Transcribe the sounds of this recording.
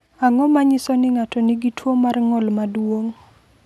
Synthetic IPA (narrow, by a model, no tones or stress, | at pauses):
aŋɔmaɲɪsɔnɪŋatɔnɪɡitʰwomarŋɔlmadwoŋ